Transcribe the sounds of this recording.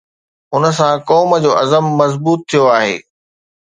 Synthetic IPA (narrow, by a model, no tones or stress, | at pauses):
ʊnə̆s̬ãkɔːməd͡ʑoːʔɐzəmːɐzbuːt̪ʰːijoaːɦḛː